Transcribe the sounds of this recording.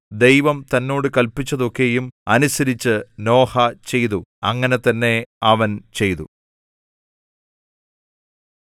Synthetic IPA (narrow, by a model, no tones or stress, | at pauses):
d̪e̞jʋɐmt̪ɐnːo̞ːɽɨkɐlpit͡ɕːɐðo̞kːe̞jumɐnusɐɾit͡ɕːɨno̞ːhɐt͡ɕe̞jt̪uɐŋːɐne̞t̪ɐnːe̞ɐʋɐnt͡ɕe̞jt̪ṵ